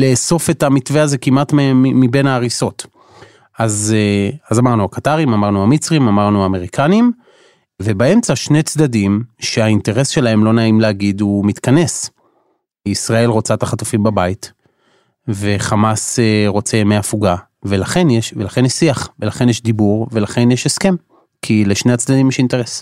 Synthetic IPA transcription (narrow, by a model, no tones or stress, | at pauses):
leːso̞fe̞tamitveaze̞kimatmimibe̞naːʁiso̞t | azazamaʁnuakataʁimamaʁnuamit͡sʁimamaʁnuaːmeʁikʰanim | ve̞bae̞mt͡saʃne̞jt͡sd̪adimʃe̞ainte̞ʁe̞sʃe̞lae̞mlo̞naimleaɡid̪umit̪kane̞s | isʁae̞lʁo̞t͡sat̪aχatufimbabait | ve̞χamaseʁo̞t͡se̞meafuɡa | velaχe̞njeʃvelaχenisiaχvelaχe̞njeʃd̪ibuʁve̞laχe̞njeʃeske̞m | kʰileʃne̞at͡sd̪ad̪imjeʃinte̞ʁes